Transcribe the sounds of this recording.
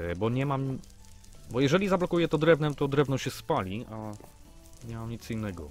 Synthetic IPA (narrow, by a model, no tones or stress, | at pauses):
bɔɲɛmam | bɔjɛʐɛlʲizablɔkujɛt̪ɔd̪ɾɛvnɛt̪ɔd̪ɾɛvnɔ̃ɕɛspalʲia | ɲɛmamɲit̪sinːɛɡɔ̰